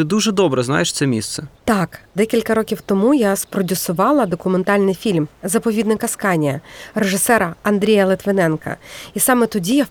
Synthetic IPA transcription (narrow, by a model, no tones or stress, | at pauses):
t̪ɪd̪uʒɛd̪ɔbɾɛznɑ̰jeʃt̪sɛmʲist̪sɛt̪ɑkd̪ɛkʲilʲkɐɾɔkʲiwt̪ɔmujaspɾɔdʲʊsʊʋɑlˠɐd̪ɔkʊment̪ɑlʲnɪjfʲilʲmzɐpɔʋʲid̪nɪkɐskɑnʲijɐ̰reʐɪsɛɾɐɐnd̪ɾʲijɐlˠɪt̪ʋɪnɛnkɐ̰isɑmɛt̪ɔdʲija